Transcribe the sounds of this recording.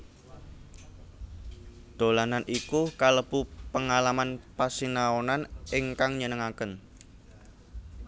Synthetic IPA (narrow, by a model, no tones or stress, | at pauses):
d̪̥o̤lananʔikukaləb̥upəŋalamanpasinaonanɪŋkaŋɲənəŋakən